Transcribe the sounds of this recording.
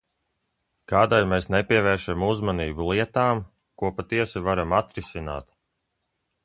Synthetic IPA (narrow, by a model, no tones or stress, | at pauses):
kaːd̪ajmeːsnɛpʲiɛvɛːɾʃamuzmaniːbulˠiɛt̪aːm | kuɔpat̪iɛsivaɾamat̪ɾisʲina̰ːt̪